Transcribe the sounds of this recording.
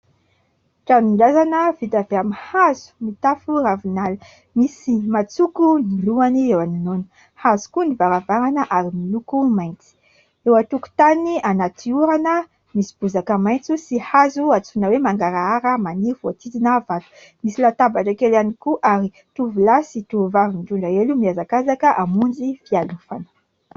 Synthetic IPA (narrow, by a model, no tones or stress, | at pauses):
ʈ͡ʂanimlazanəvit̪aveamihazu̥mit̪afuravinalə̥ | misimat͡sukuniluaniewaninonə̥ | hazu̥kunivaɾavaɾanəʔaɾimilukumajnt͡si̥ | ewat̪uku̥t̪anianat̪ʰiuɾanə | misi̥b̥uzakəmajnt͡susihazuat͡sunəwemaŋɡaɾaaɾəmanivuat̪id̪inavalu̥ | misilat̪abaʈ͡ʂakelanikuʔaɾi | t̪uvulasit̪uuvavint̪uɳɖ͡ʐaelumiazakazakəʔamund͡zifialufanə̥